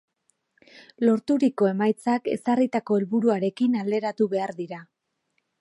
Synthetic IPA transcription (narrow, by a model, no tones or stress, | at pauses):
lo̞ɾt̪uɾiko̞e̞majt͡sake̞̰sarit̪ako̞elβuɾuaɾe̞kinald̪e̞ɾat̪uβe̞aɾðiɾa